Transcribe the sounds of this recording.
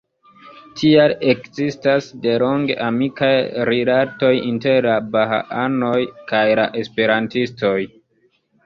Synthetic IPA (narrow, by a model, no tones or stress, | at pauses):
tʰiale̞kzistasde̞lo̞ŋɡe̞̰ʔamikajɾilato̞jinte̞ɾlabaɦa̰ʔano̞jkajlaʔe̞spe̞ɾantisto̞j